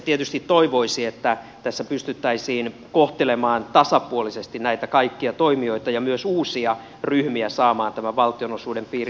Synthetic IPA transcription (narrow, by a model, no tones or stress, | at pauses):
t̪iet̪yst̪it̪t̪ːoiʋoisiet̪ːæ | t̪æsːæpyst̪yt̪ːæisiːnkoht̪elemɑːnt̪ɑsɑpuolisest̪innæit̪ækɑikːiɑt̪oimio̞it̪ɑjɑmyøsuːsiɑ | ryhmiæsɑːmɑːnt̪æmæʋɑlt̪ionosuːdempiːr